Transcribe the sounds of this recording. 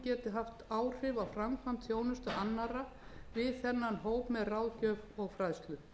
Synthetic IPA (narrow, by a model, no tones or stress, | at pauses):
cɛːt̪ʏɦaft̪aːwr̥ɪvawfɾamkʰam̥t̪θjoːwnʏst̪ʏʔanːaɾa | vɪðθɛnːanɦoːwpmɛðrawcœːvɔɣfɾajðst̪lʏ